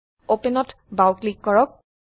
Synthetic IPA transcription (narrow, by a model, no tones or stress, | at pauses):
openɔt | bawklikːɔɹɔk̚